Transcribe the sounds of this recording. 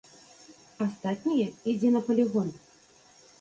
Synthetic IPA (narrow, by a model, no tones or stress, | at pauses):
ast̪at̪̚ʲnʲijɛid͡zʲɛnɐpɐlʲiɣɔn